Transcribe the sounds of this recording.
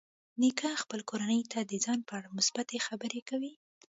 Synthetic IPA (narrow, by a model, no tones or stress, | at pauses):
nikɑxpəlkoɾanəjt̪ʰad̪əzɑnpəaɽamʊsbat̪exabəɾekawi